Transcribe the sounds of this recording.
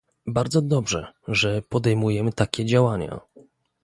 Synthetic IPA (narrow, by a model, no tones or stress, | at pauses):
baɾd̪zɔd̪ɔbʐɛ̰ʐɛpɔd̪ɛjmujɛmɘt̪akʲɛd͡ʑawaɲa̰